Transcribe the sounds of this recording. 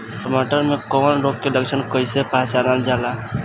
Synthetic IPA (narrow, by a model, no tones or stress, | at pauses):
səmoʈəɾmẽkoːnɾoːkkeləkʃənkəɪsepaːt͡ʃaːnald͡ʒaːla